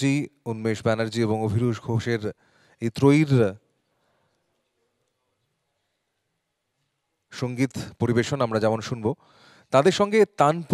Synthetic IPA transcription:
iunmeʃbɛnaɾd͡ʑieβoŋobʱiɾuʃɡʱoʃeɾ | ejt̪ɾoiɾ | ʃoŋɡit̪poɾibeʃonamɾad͡ʑɛmonʃunbo | t̪ad̪eɾʃɔŋɡet̪anp

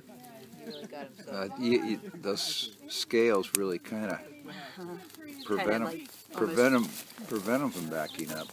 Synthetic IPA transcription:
ʌjɨðoʊz̥skeɪlˠzɹɪlˠikʰãɪ̃ndɨ̰ | pʰɹ̥ɨvɛ̃ɾ̃ə̃m | pʰɹ̥ɨvɛ̃ɾ̃ə̃mpʰɹ̥ɨvɛ̃ɾ̃ɪ̃ɱfɨ̃mbækɪ̃ŋʌp̚

